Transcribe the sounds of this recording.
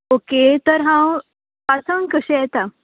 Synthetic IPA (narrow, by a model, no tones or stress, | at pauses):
oket̪əɾɦãw | pasə̃ŋkəɕɛ̃jɛt̪a